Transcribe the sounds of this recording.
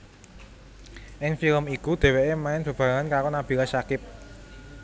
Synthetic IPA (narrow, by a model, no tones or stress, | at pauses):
ʔɪŋfiləmikud̪̥e̤weʔemaɪnb̥ə̤b̥ä̤ŋankaɾonab̥i̤kasakɪp̚